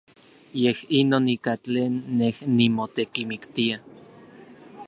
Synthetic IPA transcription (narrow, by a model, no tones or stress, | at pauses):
jehinoːnikat͡ɬeːnːehnːimot̪ekimikt̪ia